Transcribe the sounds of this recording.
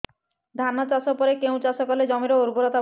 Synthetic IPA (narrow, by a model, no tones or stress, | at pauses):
d̪ʱanat͡ʃasɔpɔɾekeũt͡ʃasɔkɔled͡ʑɔmiɾɔuɾbuɾɔt̪a